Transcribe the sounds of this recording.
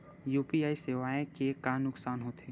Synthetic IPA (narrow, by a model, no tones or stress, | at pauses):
juːpiaːiseːʋaːẽkekaːnʊksaːnɦoːt̪ɦe